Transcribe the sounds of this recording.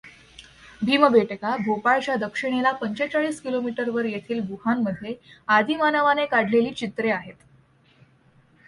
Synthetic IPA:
bʱiːməbeʈəkabʱopaɭt͡ɕad̪əkʂiɽ̃elapəɲt͡ɕet͡saɭiːskilomiʈəɾʋəɾjet̪ʰiːlbuɦanːəd̪ʱːjead̪ʱiːmanəʋanekaɽ̤ʱleliːt͡ɕit̪ɾeaɦet̪

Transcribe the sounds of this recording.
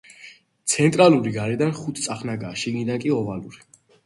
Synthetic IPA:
t̪sʰɛnt̪ʼɾaluɾiɡaɾɛd̪anχut̪ʰtsʼaχnaɡaːʃiɡnid̪ankʼiɔvaluɾi

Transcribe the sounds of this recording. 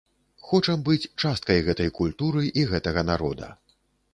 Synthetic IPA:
xɔt͡ʂɐmbɨt͡sʲt͡ʂast̪kɐjɣɛt̪ɐjkulʲt̪uɾɨʔiɣɛt̪ɐɣɐnaɾɔd̪ɐ̰

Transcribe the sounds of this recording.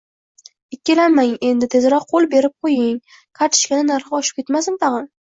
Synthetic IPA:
ɪkʲːelamaŋe̞nd̪ɪt̪ʰe̞zɾɒqʰːolˠbe̞ɾɪp̚qʰojɪŋ | kʰaɾt̪ʰɪ̥ʃkʲanɪnaɾχɨɒʃɪ̥p̚kʲe̞t̪masɪnt̪ʰɑʁɨn

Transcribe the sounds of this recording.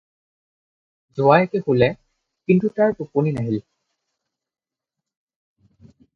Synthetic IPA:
zʊajɛkɛxulɛ | kintutaɹtuponinaɦil

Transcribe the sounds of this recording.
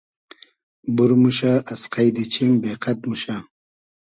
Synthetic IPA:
buɾmuɕaʔːsqajd̪it͡ɕʰiŋbeqʰat̪muɕa

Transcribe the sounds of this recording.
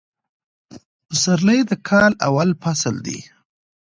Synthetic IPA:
zəɾləjd̪əkʰɑla̰walpasəld̪ḭ

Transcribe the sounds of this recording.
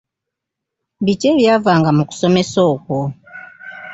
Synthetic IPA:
bit͡ʃɛβiavaŋɡamuku̥sɔmɛsɔukɔ

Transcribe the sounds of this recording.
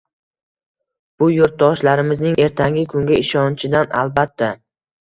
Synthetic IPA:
b̥ʊjoɾt̪̚d̪ɒʃlaɾɪmɪznɪŋe̞ɾt̪ʰaŋɡʲɪkʰʊŋɡʲaɪʃɒnt͡ʃʰɪd̪ana̰lˠbat̪ʰːa

